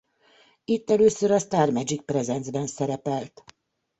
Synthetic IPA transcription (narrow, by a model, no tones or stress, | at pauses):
it̪ːɛløːsøɾɒst̪aːrmɛd͡ʒik̚prɛzɛnzbɛnsɛɾɛpɛlt̪